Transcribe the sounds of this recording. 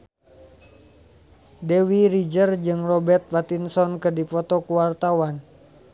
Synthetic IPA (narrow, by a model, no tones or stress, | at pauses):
dewiɾid͡ʒərd͡ʒɨŋrɔbɛrt̪̚fat̪insɔnkədipɔt̪ɔkuwart̪awan